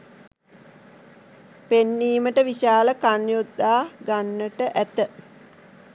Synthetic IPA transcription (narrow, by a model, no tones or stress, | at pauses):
penːiːməʈəʋiʃaːləkanjud̪ːaːɡanːəʈəʔæt̪ə